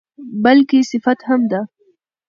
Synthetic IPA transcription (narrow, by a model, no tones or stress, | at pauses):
bɐlkisɪfat̪hamd̪a